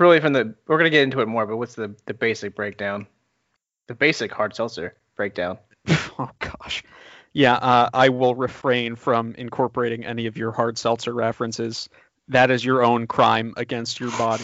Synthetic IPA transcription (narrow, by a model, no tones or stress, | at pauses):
ɹɪlˠifɹʌ̃mðɨwɪɹɡʌnɨɡɛɾɪ̃ntʉɨt̚mɔɹbʌt̚wʌtsðɨðɨbeɪsɨk̚b̥ɹeɪk̚d̥ãʊ̃n | ðɨbeɪsɨkhɑɹd̥sɛlˠsə˞ | b̥ɹeɪk̚d̥ãʊ̃n | oʊɡ̥ɑʃjæʔʌʔaɪwɪlˠɹɨfɹẽɪ̃nfɹʌ̃mɨ̰̃nkʰɔɹpə˞eɪɾɪ̃ŋʔɛ̰niʌvjə˞hɑɹd̥sɛlˠsə˞ɹɛfɹɨ̃nsɪz̥ | ðɨɾɨzjə˞õʊ̃nkʰɹ̥ã̰ɪ̃mɨ̰ɡɛ̃nst͡ʃə˞bɑɾi